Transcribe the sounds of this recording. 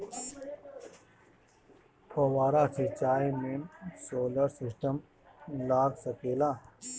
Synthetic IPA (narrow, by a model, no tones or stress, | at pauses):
pʰoːwaːɾaːsʰit͡ɕaːimeːnsoːləɾsɪsʈəm | laːɡsɐkeːlaː